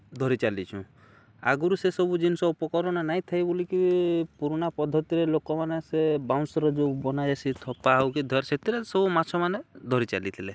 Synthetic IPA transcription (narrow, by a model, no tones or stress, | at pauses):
d̪ʱɔɾit͡ʃalit͡ʃʰũ | a̰ɡuɾusesɔbud͡ʒinsɔupɔkɔɾɔñɔnaɦĩt̪ʰajbolikipuɾɔñapɔd̪ʱːɔt̪iɾelokɔmanesebaw̃sɔɾɔd͡ʒobɔnad͡ʒasʰit̪ʰɔpaawkid̪ʱɔɾset̪ʰiɾesɔbumat͡ʃʰɔmaned̪ʱɔɾit͡ʃa̰lit̪ʰile